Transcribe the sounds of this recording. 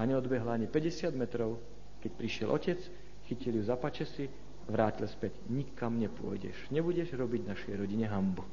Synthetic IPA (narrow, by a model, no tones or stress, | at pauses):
aɲɛɔd̪bɛɦlaɲipɛɟɛsɪad̪mɛt̪ɾɔʊ | kɛcpɾiʃɪɛlʔɔcɛt͡s | xiciljuzapat͡ʃɛsi | aʋɾaːcilspɛɟɲikːamɲɛpʊɔ̰jɟɛ̰ʃɲɛbuɟɛʒɾɔbiɟnaʃɛjɾɔɟiɲɛɦambu